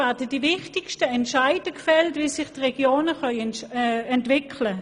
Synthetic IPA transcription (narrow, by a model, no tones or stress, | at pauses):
atəd̥ivɪχtɪkʃtəɛntʃaɪdəkfɛltviːsɪχtʁɛɡjoːnəχœʏ | ɛntv̥ɪkʰlə